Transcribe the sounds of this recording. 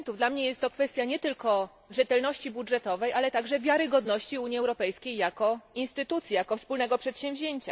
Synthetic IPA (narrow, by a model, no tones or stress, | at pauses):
nt̪uvd̪lamɲejɛst̪ːɔkfɛst̪ʲjaɲɛt̪ɘlkɔ | ʐɛt̪ɛlnɔɕt͡ɕibudʐɛt̪ɔvɛjʔalɛt̪aɡʐɛvʲjaɾɘɡɔd̪nɔɕt͡ɕiuɲiɛwɾɔpɛjskʲejjakɔinst̪ɘt̪ut̪sʲjijakɔfspulnɛɡɔpʂɛt̪ɕɛ̃mvʑeɲt͡ɕa̰